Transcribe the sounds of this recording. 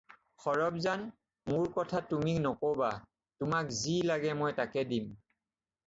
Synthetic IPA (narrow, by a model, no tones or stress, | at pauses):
xɔɹɔb̚zan | mʊɹkɔtʰatːumiknɔkowba | tʊmakzilaɡɛmɔjtakɛdim